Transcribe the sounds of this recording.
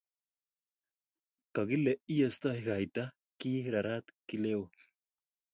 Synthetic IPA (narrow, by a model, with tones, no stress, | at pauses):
ka˨ɣi˦le˨i˦a˨st̪ahiɣa˨jt̪a | ki˦ɾa˨ɾat̪kile˦w